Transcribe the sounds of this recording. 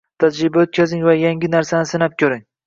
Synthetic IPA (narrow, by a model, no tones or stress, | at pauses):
t̪ʰad͡ʒɾɪbaot̪̚kʲazɪŋvajaŋɡʲɪnaɾsanɪsɪnap̚kʲʰɵɾɪŋ